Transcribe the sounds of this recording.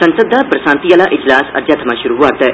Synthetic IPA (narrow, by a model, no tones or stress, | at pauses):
sɐ̃nsəd̪ʱːapɾɐsãːnt̪ijalaʔɪd͡ʒlaːsɐ̰ɾd͡ʒaːt̪ʰɐmaʃuɾuʋaːt̪